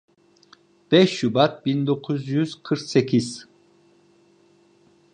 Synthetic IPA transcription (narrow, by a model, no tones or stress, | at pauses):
b̥ɛʃːybat̪̚bind̪o̞kʰuzjyz̥kʰɯɾksecʰʲiz̥